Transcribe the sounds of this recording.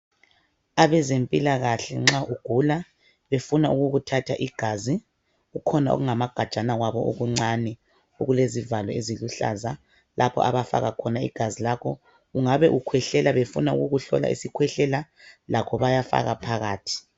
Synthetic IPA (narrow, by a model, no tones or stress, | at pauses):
aβɛzempʼilaɣaɬɛŋ͡ǁaʔuɡ̥ʱula | βefunauɣuɣutʰatʰaʔiɡ̥ʱazi | ɣukʰɔnaʔo̰ɣuŋamaɡ̥ʱad̥t͡ʃʼanaɣwaβɔʔoɣuŋ͡ǀanɛ | oɣulezivalɔeziluɬa̰za | lʔapʰɔ̰ʔaβafa̰ɣakʰɔnaḭɡ̥ʱazilakʰɔ | uŋaβɛʔukʰwɛɬɛlaβefṵnaṵɣuɣuɬɔ̰la̰ʔḭsikʰwɛɬɛla | lakʰɔβajafa̰ɣapʰaɣaːtʰi̥